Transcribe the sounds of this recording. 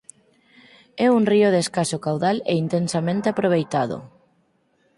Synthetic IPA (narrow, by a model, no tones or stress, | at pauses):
ɛuŋrioðeskasokawðaleint̪ensamẽnt̪eapɾoβ̞ejt̪aðo̰